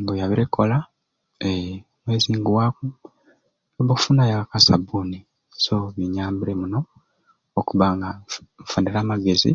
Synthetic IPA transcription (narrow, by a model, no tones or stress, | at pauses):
ŋbojaβiɾekːola | e | mweːziːŋɡuwaku | oβoku̥funajakakasabuni | soβiɲaːmbiɾemuno̞ | okuβaŋɡaɱfandiɾaːmaɡe̞zḭ